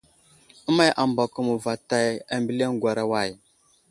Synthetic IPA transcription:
ə˦ma˦jʔa˨mba˨ku˨mu˨va˨ta˦˨ja˨mbi˦le˦ŋɡʷa˨ɾa˨wa˨j

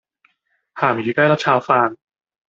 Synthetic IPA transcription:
hʰaː˨˩mjiː˨˩kaː˥˩jɾa˦˥p̚t͡ɕʰaː˧wfaː˧ŋ

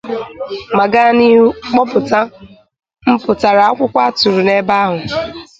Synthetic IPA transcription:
ma˨ɡa˦ni˦ɦu˦k͡pɔ˦pʊ˨ta˦ | m̩˦pʊ˨ta˨ɾa˨a˦kʷʊ˦kʷa˦a˦tu˨ɾu˨ne˦ba˦a˦ɦʊ˨

